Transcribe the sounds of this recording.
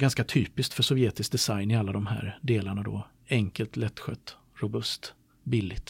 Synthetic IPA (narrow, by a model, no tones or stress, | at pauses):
ɡanskat̪ʰyːpɪskt̪fœʂɔvjeːt̪ɪsk̚d̪ɛsajnɪalːad̪ɔmɦæ̰ːɾd̪eːlaɳad̪ɔ̰ | ɛŋkəlt̪lɛt̪ːɧœ̰t̪ː | ɾʊbɵst̪ | bɪlːɪɡt̪